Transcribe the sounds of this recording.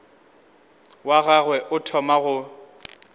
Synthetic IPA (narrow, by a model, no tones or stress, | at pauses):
waɣaɣwɛʔʊtʰɔmaɣʊ